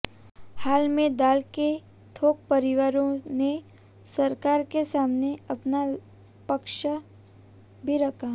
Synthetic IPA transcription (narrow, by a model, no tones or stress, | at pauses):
haːlmẽd̪aːlke | t̪ʰoːk̚pɐɾɪʋaːɾõne | sɐɾkaːɾkesaːmneɐpna | pəkʃ | bʱiɾɐkʰa